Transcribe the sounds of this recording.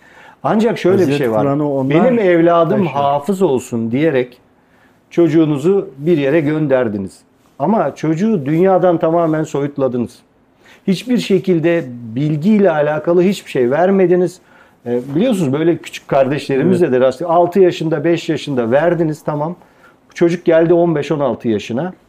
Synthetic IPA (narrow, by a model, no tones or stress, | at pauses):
and͡ʒakʃø̞jlʲɛbiʃʃejvaɾbe̞nimɛvlʲaːd̪ɯmɦaːfɯzo̞lˠsund̪ijeɾɛc | t͡ʃʰo̞d͡ʒuːnuzubiɾje̞ɾɛɟø̞nd̪æɾd̪iniz̥ | amat͡ʃʰo̞d͡ʒuːd̪ynjaːd̪ant̪ʰamaːmænso̞jut̪lˠad̪ɯnɯz̥ | hit͡ʃbiɾʃe̞cilʲd̪ɛbilʲɟiːlʲɛalʲaːkʰalˠɯɦit͡ʃbiʃejvæɾme̞d̪iniz̥ | ɛbilʲijosunuzbø̞jlʲɛcʰy̥t͡ʃʰy̥cʲʰkʰːaɾd̪ɛʃlʲe̞ɾimizd̪ɛd̪ɛɾasalˠt̪ʰɯjaʃɯnd̪abɛʃjaʃɯnd̪avæɾd̪iniz̥t̪ʰamam | t͡ʃʰo̞d͡ʒuk̚ɟælʲd̪io̞nbɛʃo̞nalˠt̪ʰɯjaʃɯna